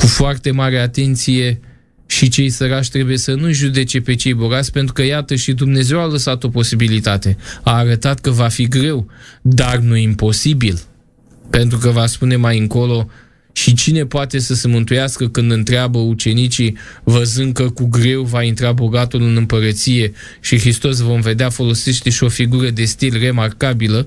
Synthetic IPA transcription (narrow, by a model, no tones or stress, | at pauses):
kufoart̪e̞maɾe̞at̪e̞nt̪sije̞ | ʃit͡ʃe̞jsəɾaʃʲt̪ɾe̞buje̞sənuʒud̪e̞t͡ʃe̞pe̞t͡ʃe̞jbo̞ɡat̪sʲpent̪̬ɾukəjat̪əʃid̪umne̞ze̞waləsat̪o̞po̞sibilit̪at̪e̞aːɾət̪at̪kəvafiɡɾe̞wd̪arnuimpo̞sibil | pe̞nt̪ɾukəvaspune̞majɨŋko̞lo̞ | ʃit͡ʃine̞poat̪e̞səse̞mɨnt̪ujaskəkɨnd̪ɨnt̪ɾeabəut͡ʃe̞nit͡ʃivəzɨnd̪̚kəkuɡɾe̞wvaint̪ɾabo̞ɡat̪ulɨnɨmpəɾət̪sije̞ | ʃixɾist̪o̞s̬vo̞mve̞d̪eafo̞lo̞seʃt̪eʃio̞fiɡuɾəd̪e̞st̪ilre̞markabilə